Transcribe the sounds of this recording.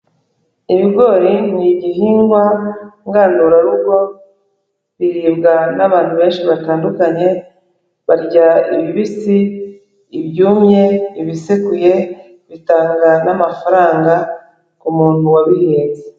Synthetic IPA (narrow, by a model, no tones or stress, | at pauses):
iβiɡo̞ːɾiniɟiɦiːŋɡwaŋɡanduɾaɾubɡo̞ | βiɾiːbɡanaβaːn̥huβe̞ːnʃiβataːndukaɲe̞ | βaɾɟaiβiβisiː | βɟuːmɲe̞iβisekuje̞ | βitaːŋɡanamafaɾaːŋɡa | kumuːn̥huwaβiheːnze